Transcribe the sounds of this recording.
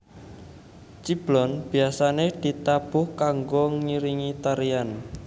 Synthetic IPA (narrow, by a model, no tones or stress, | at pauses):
t͡ʃib̥lɔnb̥i̤asaned̪̥i̤t̪ab̥ʊhkaŋɡoŋiɾiŋit̪aɾian